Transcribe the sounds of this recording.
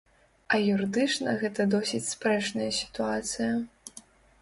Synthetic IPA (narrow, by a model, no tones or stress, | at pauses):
ɐjuɾɨd̪ɨt͡ʂnɐɣɛt̪ɐd̪ɔsʲit͡sʲspɾɛt͡ʂnɐjɐsʲi̥t̪uat̪sɨjɐ